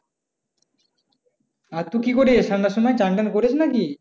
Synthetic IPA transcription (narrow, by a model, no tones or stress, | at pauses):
aɾt̪ukikoɾesamnaʃɔmajt͡ʃaɳʈenkoɾet͡ɕʰnaki